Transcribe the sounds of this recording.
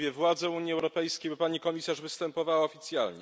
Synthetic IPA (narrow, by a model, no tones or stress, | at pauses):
vʲjɛvwad̪zɛuɲjiɛwɾɔpɛjskʲejbɘpaɲikɔmʲisaʐvɘst̪ɛmpɔvawaɔfʲit̪sʲja̰lɲɛ